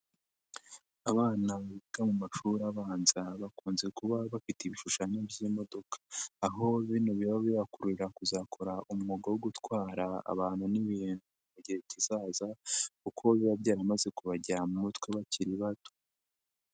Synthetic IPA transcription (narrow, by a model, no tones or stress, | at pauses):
aβaːnaβiɡ̥amumaʃuɾaβaːnzaβakuːnze̞kuβaβafitiβiʃuʃaɲebɟiːmo̞do̞kʰḁːɦo̞βinoβiβaβijakuɾuɾiɾakuzakʰo̞ɾaʔumŋoɡawoɡutwaːɾaa̰βaːnhuniβiːnuβaɟiheβcizaːzakukʰo̞βiβabɟaːɾamaze̞kuβaɟamumutwe̞βaciɾiβato̥